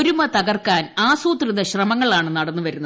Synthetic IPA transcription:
ɾumɐt̪ɐɣɐrkaːnaːsuːt̪riðɐɕrɐmɐŋːɐɭaːɳɨnɐɽɐnːɨʋɐɾunːɐ

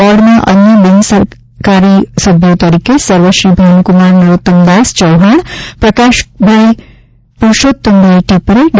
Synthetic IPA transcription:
ɔɽnaʔɐnjəbinsɐɾ | kaːɾisɐbʱjot̪ɐɾikesɐɾʋɐʃɾibʱɐnkumaːɾnɐɾot̪ːɐmd̪aːst͡ʃɐwɦɐɳpɾɐkaːʃbʱɐɭi | puɾʃoːt̪ːɐmbiʈipɾeɖ

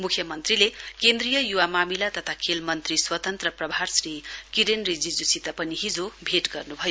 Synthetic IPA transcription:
mukʰjʌmʌnt̪rilekend̪rijʌjuwamamilat̪ʌt̪ʰakʰelmʌnt̪riswʌt̪ʌnt̪rʌprʌbʱarsrikiɾenrid͡zid͡zusit̪apʌniɦid͡zobʱeʈɡʌrnubʱʌjo

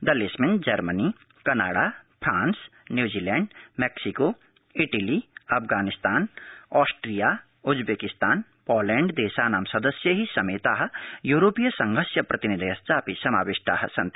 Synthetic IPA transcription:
d̪ɐlesmɪnd͡ʒɐɾməni | kɐna̰ːɽapʰɾaːnsnjuːd͡ʒiːlɛːɳɖmeːksiko | ɪʈəliɐpʰɡaːnɪst̪aːnɔːsʈɾija | ʊd͡ʒbeːkɪst̪aːn | pɔːlɛ̃ːɳɖd̪eːsanaːmsɐd̪əsjəɦisɐmeːt̪aːɦ̆juːɾoːpijəsɐ̃ŋɡʱəsjəpɾʔɐt̪inid̪ʱiɐstapisɐma̰ːʋɪʃt̪a̰ːɦsɐnt̪

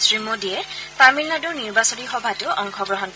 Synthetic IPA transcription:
sɹimodiɛpamilnadɔɹniɹbasɔnixɔbʱatʊʔɔŋkʰɔɡɹɔɦɔnk

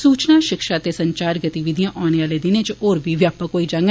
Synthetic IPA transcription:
suːt͡ʃnaːʃɪkʃaːt̪eːsəɲt͡ʃaːɾɡət̪iʋɪd̪ijãːʔaːneːʋaːleːd̪ɪneːt͡ʃoːɾbʱiːʋjaːpəkkoːiːd͡ʒãːŋɡ

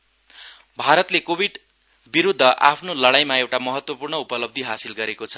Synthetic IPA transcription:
bʱaɾʌt̪lekobʱiɖ | biɾud̪ʱːʌʔa̰pʰnolʌɽajmaewʈamʌɦʌt̪wʌpurɳʌupʌlʌb̚d̪ʱiɦasilɡʌɾekot͡sʰʌ̥

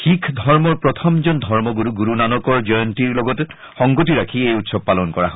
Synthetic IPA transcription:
xikʰd̪ʱɔɹmɔɹpɹɔt̪ʰɔmd͡ʒɔnd̪ʱɔɹmɔɡuɾuɡuɾunanɔkɔɹd͡ʒɔjɔntiɹlɔɡɔte | xɔŋɡɔtiɹakʰiejutsɔb̚palɔnkɔɹaɦɔ

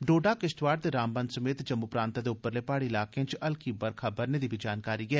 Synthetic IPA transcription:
ɖoːɖaːkɪsʈʋaːɖ̚d̪eːɾãːmbənsəmeːt̪d͡ʒəmːupɾãːnt̪aːd̪eːʊpːəɾleːpaːɽiɪlaːkeãt͡ʃʔɐlkibəɾkʰaːbəɾneːd̪iːbʱid͡ʒaːnkaːɾiɡɛː

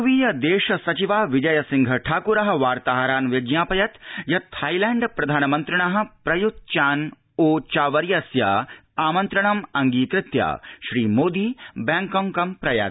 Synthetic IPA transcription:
ʋiːjɐd̪eːʃɐsɐt͡ʃiʋaːʋid͡ʒɐjɐsɪŋɡʱɐʈʰaːkuɾɐɦɐ̆ʋaːɾt̪aːɦɐɾaːnʋed͡ʒjaːpɐjɐt̪jɐt̪ʰaːjlɛ̃ːɳɖpɾɐd̪ʱaːnɐmɐnt̪ɾɐɳɐɦɐ̆pɾɐjut̪̚t͡ʃaːn | oːt͡ʃaːʋɐɾjɐsjaːaːmɐ̃nt̪ɾɐɳ̃ɐmɐŋɡiːkɾɪt̪ja̰ːʃɾiːmoːd̪iːbɛːŋkɐ̃ŋkɐmpɾɐja̰ː

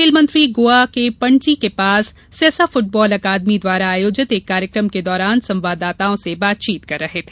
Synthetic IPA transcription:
ɪlmə̃nt̪ɾiɡoːakepɐ̃ɳʈikepaːsː | ɛːsafʊʈ̚bɔːlɐkaːd̪mid̪waːɾaːjoːd͡ʒɪt̪eːkːaːɾjəkɾəmked̪ɔːɾaːnsɐ̃mʋaːd̪aːt̪aõsebaːt̪̚t͡ʃiːt̪kɐɾːɐɦet̪ʰeː

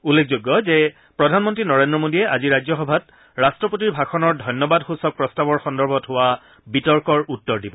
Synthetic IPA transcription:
ulːek̚ʰzoɡːɔzɛ | pɹɔdʱanmɔntɹinɔɹendɹɔmodiɛʔaziɹajzɔxɔbʱat | ɹastɹɔpot̬iɹbʱakʰɔnɔɹdʱɔjnjɔbadxusɔk̚pɹɔstabɔɹxɔndɔɹbʱɔtɦʊwa | bitɔɹkɔɹutːɔɹdibɔ

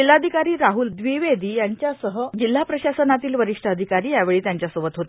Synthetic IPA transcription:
ilːad̪ʱikaɾiːɾaɦuːld̪ʋiʋed̪ʱiːjaɲt͡ɕjasəɦəd͡ʑil̤ːapɾəɕasənat̪iːlʋəɾiʂʈʰəəd̪ʱikaɾiːjaʋeɭiːt̪jaɲt͡ɕjasəʋət̪ɦot̪

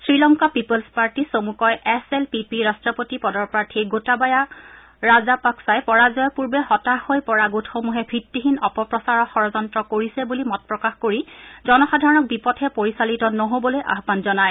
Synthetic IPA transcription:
sɹilɔŋkapipolspaɹtisomukɔjɛsɛlpipiɹastɹɔpotipɔdɔɹpɹaɹtʰiɡotabaja | ɹazapaksajpɔɹazɔjɔpuɹbɛɦɔtahojpɔɹaɡutʰxomuɦɛbʱɹitːiɦinɔpɔpɹɔsaɹɔxɔɹɔzɔntɹɔkoɹisɛbulimɔt̚pɹɔkaxkoɹizɔnɔxadʱaɹɔnɔk̚bipɔtʰɛpoɹisalitɔnɔɦobɔlojʔa̰ɦbanzɔnaj

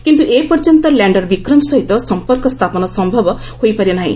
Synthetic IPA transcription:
kint̪uʔepɔɾd͡ʒɔnt̪ɔlɛɳɖɔɾbikɾɔmsɔɦit̪ɔsɔmpɔɾkɔst̪ʰapɔnɔsɔmbʱɔbɔ | hojpaɾjɔnaɦḭ̃

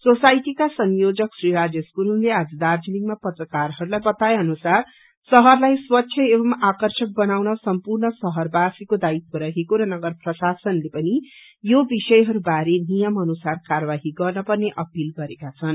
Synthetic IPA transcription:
sosajʈikasʌŋjod͡zʌksriɾad͡zjʌskuɾunlead͡zʌd̪ard͡zʌniŋmapʌt̪rʌkarɦʌɾulajbʌt̪aeʌnusar | sʌɦʌrlajswʌtːsʰjʌebʌmakʌrsʰʌk̚bʌnawnʌsʌmpurnʌsʌɦʌrbasikod̪ait̪̚moɾʌɦekoɾʌnʌɡʌrprʌsasʌnlepʌni | jobisʌjɦʌɾubaɾenijʌmʌnusarkarbaɦiɡʌrnʌpʌrneʔʌpilɡʌɾekat͡sʰʌn

